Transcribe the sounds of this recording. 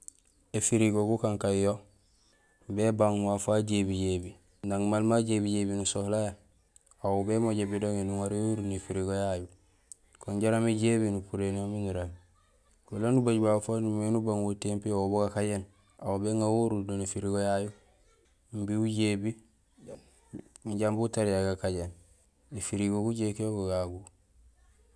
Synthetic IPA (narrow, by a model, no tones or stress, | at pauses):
efiɾiɡoɡukaŋkajjo | bebaŋmafaɟebiɟebi | ndaŋmalmaɟebiɟebinusohlaja | aubemoɟebidoŋenuŋaɾewuɾunefiɾiɡojaju | koɲɟaɾameɟeβinupuɾenomiŋiɾan | kulanːubaɟbafanumenubaŋwotempioboɡakaɟen | aubeŋɡawuɾudonefiɾiɡojaju | mbiuɟebi | iɟambutaɾijaɡakaɟen | ifiɾiɡoɡuɟekijoɡoɡaɡu